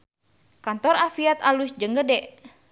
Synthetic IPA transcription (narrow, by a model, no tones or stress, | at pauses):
kant̪ɔɾafiat̪alusd͡ʒəŋɡədɛʔ